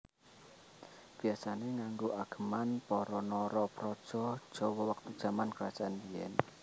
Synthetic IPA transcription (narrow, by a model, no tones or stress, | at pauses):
b̥i̤asaneŋaŋɡoʔaɡ̥ə̤manpɔɾɔnɔɾɔpɾɔd̥ʒ̥ɔ̤d̥ʒ̥ɔ̤wɔwak̚t̪ud̥ʒ̥a̤mankəɾad̥ʒ̥aʔanijɛ̰n